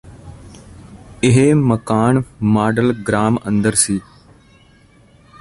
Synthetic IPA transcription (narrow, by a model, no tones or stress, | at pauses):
ɪɦeməkaːnmaːɖəlɡɾaːmə̰̃nd̪əɾsiː